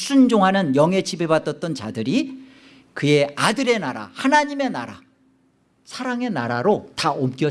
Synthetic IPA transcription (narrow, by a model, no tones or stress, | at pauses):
s͈ʰund͡ʑoŋɦanɯnjʌŋɦe̞t͡ɕʰibebat͈ʌt̚t͈ʌnt͡ɕadɯɾi | kɯje̞adɯɾe̞naɾa̰hanaɲime̞naɾa̰ | sʰaɾaŋe̞naɾaɾotaomk͈jʌ